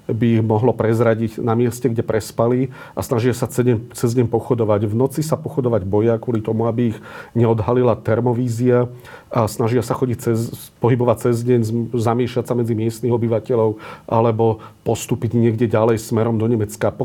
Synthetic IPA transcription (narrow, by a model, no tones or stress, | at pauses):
biiɣmɔɦlɔpɾɛzɾaɟiɟnamɪɛscɛɡɟɛpɾɛspali | ʔasnaʒɪasat͡sɛɛt͡sɛzɟɛɲpɔxɔd̪ɔʋaɟʋnɔt͡sisapɔxɔd̪ɔʋaɟbɔjakwɔlit̪ɔmuabiːɣɲɛɔd̪ɦalilat̪ɛɾmɔʋiːzia | asnaʒɪasaxɔɟic̚t͡sɛz | pɔɦibɔʋac̚t͡sɛzɟɛɲzzamɪɛʃlasamɛd͡zimɪɛst̪niɣɔbiʋacɛʎɔʊʔa̰lɛbɔpɔst̪uːpiɟɲɪɛɡɟɛɟalɛjsmɛɾɔmd̪ɔɲɛmɛt͡skapɔ